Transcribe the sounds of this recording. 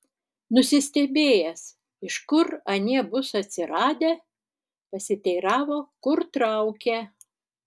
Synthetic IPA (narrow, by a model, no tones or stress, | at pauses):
nʊsʲɪsʲt̪ʲɛbʲeːjɛs | ɪʃkʊɾɐnʲiɛbʊsɐt̪ʲsʲɪɾɑːd̪ʲeː | pɐsʲɪt̪ʲɛɪɾɑːʋoːkʊɾt̪ɾɑʊkʲe